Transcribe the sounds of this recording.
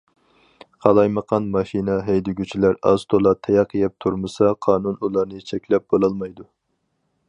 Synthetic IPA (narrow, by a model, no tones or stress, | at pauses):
qʰɑlˠɑjməqʰɑnmɑʃinɛɦɛjd̪ɪɡʲyt͡ʃʰilæɾɑ̰st̪ʰolˠɑt̪ʰɛjɑqʰːəjɛp̚t̪ʰuɾmɨsɑqʰɑːnunulˠɑɾnɨt͡ʃʰɛkʲlɛp̚b̥olˠɑlˠmɑjd̪u